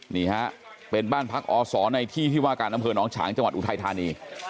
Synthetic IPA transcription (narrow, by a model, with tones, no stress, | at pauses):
niː˧˩ha˦˥ʔ | pe˧nbaː˥˩npʰa˦˥k̚ʔɔː˧sɔː˩˦na˧jt̪ʰiː˥˩t̪ʰiː˥˩waː˥˩kaː˧nʔa˧mpʰɤː˧nɔː˦˥ŋt͡ɕʰa̰ː˩˦ŋt͡ɕa˧ŋwt̪ʔt̪ʰa˧jt̪ʰaː˧niː˧